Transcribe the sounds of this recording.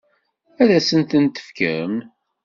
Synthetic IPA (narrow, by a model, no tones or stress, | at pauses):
æðæsənt̪ənt̪ə̥fkə̰ɾəm